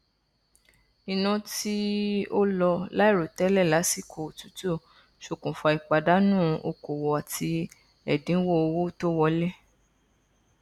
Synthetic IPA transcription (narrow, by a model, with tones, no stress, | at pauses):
i˨nã˧ti˦o˦lɔ˧la˦i˦˨ɾo˨tɛ˨˦lɛ˦˨la˨˦si˦˨kʰo˨tu̥˨˦to˦˨ | ʃo˧˨kũ˨fɔ˧˨i˨k͡pa˨da˨˦nũ˦˨o˧˨ko˨wɔ˨a˨ti˧ | ɛ˨dĩ˨˦wo˦o˧wo˦to˦wɔ˧le˦